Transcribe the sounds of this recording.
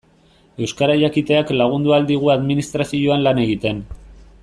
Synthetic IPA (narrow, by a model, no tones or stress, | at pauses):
e̞wskaɾaʎakit̪e̞aklaɣ̞und̪uald̪iɣ̞uaðminist̪ɾasioanlane̞ɣit̪e̞n